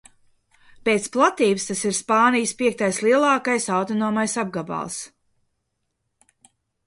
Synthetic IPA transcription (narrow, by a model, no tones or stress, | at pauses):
peːt̪splˠat̪iːbst̪asiɾspaːnijspʲiɛk̚t̪ajslˠiɛlˠɑːkajsawt̪ɔnɔːmajsab̚ɡaba̰ːlˠs